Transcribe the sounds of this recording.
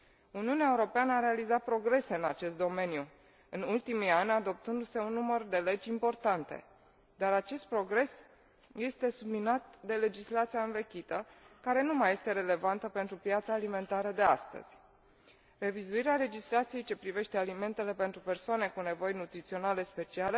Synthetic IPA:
uniuneaeuɾo̞peanəaɾe̞alizat̪̚pɾo̞ɡɾe̞se̞ɨnat͡ʃe̞st̪d̪o̞me̞nju | ɨnult̪imianʲad̪o̞p̚t̪ɨnd̪use̞unːumərd̪e̞le̞d͡ʒʲimpo̞rt̪ant̪e̞̰ | d̪aɾat͡ʃe̞st̪̚pɾo̞ɡɾe̞s | je̞st̪e̞sublinat̪d̪e̞le̞d͡ʒislat̪sijaɨnve̞kʲit̪əkaɾe̞numaje̞st̪e̞ɾe̞le̞vant̪əpe̞nt̪ɾupjat̪saːlime̞nt̪aɾəd̪e̞ast̪ə̰z̥ʲ | re̞vizuiɾeale̞d͡ʒislat̪sijejt͡ʃe̞pɾive̞ʃt̪e̞alime̞nt̪e̞le̞pe̞nt̪ɾupe̞rsoane̞kune̞vo̞jnut̪ɾit̪sio̞nale̞spe̞t͡ʃiale

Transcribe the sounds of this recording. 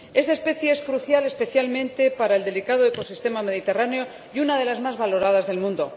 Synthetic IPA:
e̞st̪aespe̞θjeeskɾuθjale̞spe̞θjalmẽnt̪e̞paɾaeld̪e̞likað̞oeko̞sist̪e̞mame̞ð̞it̪e̞raneo̞ | junað̞e̞lazmazβalo̞ɾað̞azðe̞lmũnd̪o̞

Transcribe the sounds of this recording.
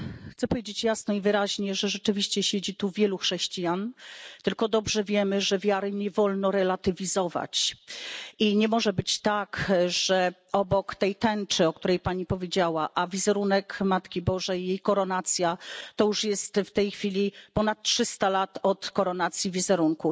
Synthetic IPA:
xt̪sɛpɔvjed͡ʑet͡ɕjasnɔivɘɾaʑɲɛʐɛʐɛt͡ʂɘvʲiɕt͡ɕɛɕed͡ʑit̪uvʲjɛluxʂɛɕt͡ɕijant̪ɘlkɔd̪ɔbʐɛvʲjɛmɘʐɛvʲjaɾɘɲɛvɔlnɔɾɛlat̪ɘvʲizɔva̰t͡ɕ | iɲɛmɔʐɛbɘt͡ɕt̪akʐɛɔbɔkt̪ɛjt̪ɛnt͡ʂɘɔkt̪uɾɛjpaɲipɔvʲjed͡ʑawaʔavʲizɛɾunɛkmat̪kʲibɔʐɛjːejkɔɾɔnat̪sʲjat̪ɔjuʂjɛst̪ft̪ɛjxfʲilʲipɔnat̪̚tʂɘst̪alat̪ɔt̪kɔɾɔnat̪sʲjivʲizɛɾuŋku

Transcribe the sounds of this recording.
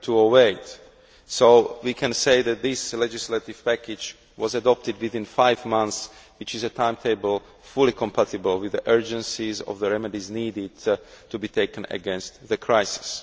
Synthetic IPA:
tʰuoweɪt | soʊwikʰɛ̃nseɪðæt̪̚ðɪslɛd͡ʒɪslat̪ɪv̥pækɪd͡ʒ | wɔzədɔp̚t̪ɪdwɪθɪ̃nfaɪvmãnθswɪt͡ʃɪzət̪ʰãɪ̃mt̪ʰeɪbəlˠ | fulikʰɔ̃mpʰatɪbəl̩ˠwɪðiʔɜ˞d͡ʒə̃nsizɔ̰vðəɹɛmɛdizniːdɪdtubit̪ʰeɪkə̃nə̰ɡɛ̃nst̪ðəkʰɹajsɪ̥s

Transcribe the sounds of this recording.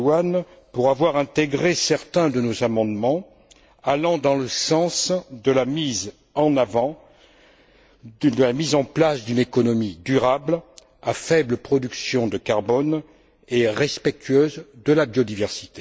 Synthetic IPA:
wan | puʁavwaʁɛ̃t̪eɡʁesɛʁt̪ɛ̃d̪ənozamɑ̃d̪mɑ̃ | alɑ̃d̪ɑ̃ləsɑ̃sd̪əlamz | ɑ̃naṽ | d̪əlamizɑ̃plasd̪ynekɔnɔmid̪yʁabl | afɛbləpχɔd̪yksjɔ̃d̪əkaʁbɔn | eʁɛspɛk̚t̪ʰɥøzd̪əlabjɔd̪ivɛʁsi̥t̪e

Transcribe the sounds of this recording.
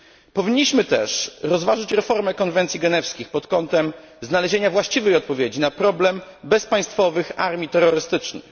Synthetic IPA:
pɔvʲiɲːiɕmɘt̪ɛʂɾɔzvaʐɘt͡ɕɾɛfɔɾmɛkɔnvɛnt̪sʲjiɡɛnɛfskʲixpɔt̪kɔnt̪ɛm | znalɛʑeɲavwaɕt͡ɕivɛjɔt̪̚pɔvʲjed͡ʑinapɾɔblɛmbɛspaj̃st̪fɔvɘxa̰ɾmʲit̪ɛɾːɔɾɘst̪ɘt͡ʂnɛ̰j

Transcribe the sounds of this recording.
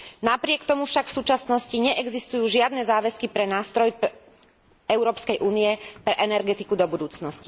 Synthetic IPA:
napɾɪɛkt̪ɔmufʃakfsuːt͡ʃasnɔsciɲɛʔɛɡzist̪ujuːʒɪad̪nɛzaːʋɛskipɾɛnaːst̪ɾɔjp | ɛʊɾɔːpskɛjʔuːnijɛpɾɛʔɛnɛɾɡɛt̪ikud̪ɔbud̪uːt͡snɔsci

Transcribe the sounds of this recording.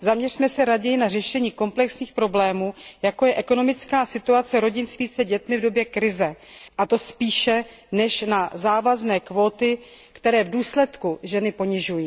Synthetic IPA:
zamɲɛrimɛsɛɾaɟɛjɪnar̝ɛʃɛɲiːko̞mplɛksɲiːxpɾo̞blɛːmuːjako̞jɛʔɛko̞no̞mɪt͡skaːsɪt̪uat͡sɛɾo̞ɟɪnst̪viːt͡sɛɟɛt̪mɪvdo̞bjɛkɾɪzɛʔat̪o̞spiːʃɛ | nɛʃnazaːvaznɛːkvo̞ːt̪ɪ | kt̪ɛɾɛːvduːslɛt̪kuʒɛnɪpo̞ɲɪʒujiː

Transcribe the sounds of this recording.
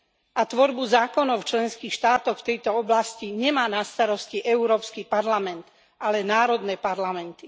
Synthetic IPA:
ʔat̪ʋɔɾbuzaːkɔnɔʊft͡ʃlɛnskiːxʃt̪aːt̪ɔxft̪ɛjt̪ɔɔblasciɲɛmaːnast̪aɾɔsciʔɛuɾɔːpskipaɾlamɛnt̪ | alɛnaːɾɔd̪nɛːpaɾlamɛnt̪i

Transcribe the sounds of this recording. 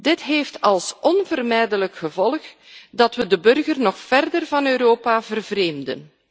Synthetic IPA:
dɪtɦeːftɑlˠsɔnvərmɛjdələkxəvɔlˠxdɑtʋədəbɵrɣərnɔxfɛrdərvɑnøːɾoːpavərvreːmdə̰n

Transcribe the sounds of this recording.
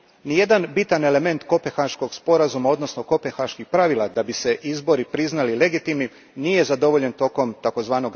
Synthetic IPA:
nije̞d̪anbit̪ane̞le̞me̞nt̪ko̞pe̞xaʃko̞ɡspo̞ɾazumao̞d̪no̞sno̞ko̞pe̞xaʃkixpɾaʋilˠad̪abise̞ʔizbo̞ɾipɾiznalile̞ɡit̪imni | nije̞zad̪o̞ʋo̞ʎent̪o̞ko̞mt̪ako̞zʋaːno̞ɡ

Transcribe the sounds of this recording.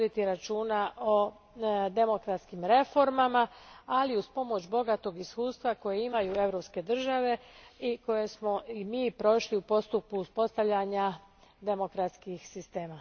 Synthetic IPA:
d̪it̪iɾat͡ʃuːnaʔo | d̪e̞mo̞kɾat̪skimɾe̞fo̞ɾmamaaliuspo̞mo̞t͡ɕbo̞ɡat̪o̞ɡiskuːst̪ʋako̞jeimajuːe̞ʋɾopske̞d̪r̩ʒaʋe̞iko̞je̞smo̞imiːpɾo̞ʃliupo̞st̪upkuːspo̞st̪aʋʎaɲa | d̪e̞mo̞kɾat̪skixsist̪e̞ːma

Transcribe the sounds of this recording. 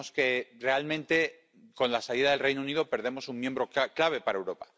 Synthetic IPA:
oske̞re̞almẽ̞nt̪e̞ | ko̞nlasaliðaðelre̞jnouniðo̞pe̞ɾðe̞mo̞suŋmje̞mbɾo̞kaklaβ̞e̞paɾaewɾo̞pḁ

